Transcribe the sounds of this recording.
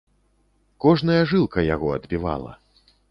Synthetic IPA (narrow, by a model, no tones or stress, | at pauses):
kɔʐnɐjɐʐɨlˠkɐjaɣɔɐd̪bʲiva̰lˠɐ̰